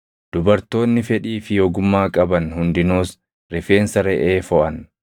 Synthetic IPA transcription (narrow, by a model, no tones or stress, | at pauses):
d̪̥ʊbɐɾt̪o̞ːnːɪfɛᶑiːfɪjoːɡʊmːaːkʼɐbɐnhʊnd̪ɪnoːs | ɾɪfe̞ːnsɐɾɛʔeːfɔʔɐn